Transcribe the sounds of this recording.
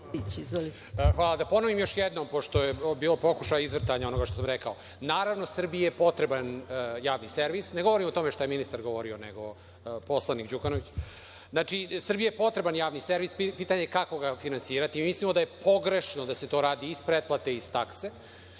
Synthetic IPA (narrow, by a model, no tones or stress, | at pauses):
it͡ɕizʋli | xʋaːlˠad̪apo̞noʋimjo̞ʃjɛd̪nompoʃt̪ojebiːlo̞po̞kuʃajizʋr̩t̪aɲao̞no̞ɡaʃt̪osamɾekao | naːɾaʋno̞sr̩bijejepo̞t̪ɾe̞banjaːʋniseɾʋisneɡoʋoɾimot̪o̞meʃt̪ojeminist̪aɾɡoʋo̞ɾioneɡo | po̞slˠanikd͡ʑukanoʋit͡ɕ | znat͡ʂisr̩bijajepo̞t̪ɾe̞banjaːʋniseɾʋispiːt̪aɲekako̞ɡafinansiːɾat̪imimislimo̞d̪aje̞pʰo̞ɡɾe̞ʃnod̪ase̞t̪o̞ːɾaːd̪iːspɾet̪̚plat̪e̞iz̥t̪akse